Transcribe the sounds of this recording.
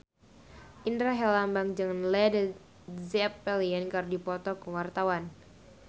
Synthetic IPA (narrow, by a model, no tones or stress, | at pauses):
ʔindɾaɦɛlambaŋd͡ʒəŋanlɛdə | zɛpːɛliɛnkardipɔt̪ɔkəwart̪awan